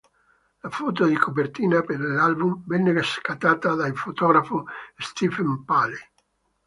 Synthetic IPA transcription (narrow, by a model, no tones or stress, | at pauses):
lafɔt̪̬od̪ikʰopert̪iːnapeɾlalbumvɛnːereskat̪aːt̪ad̪ailfot̪ɔɡɾafost̪ifempale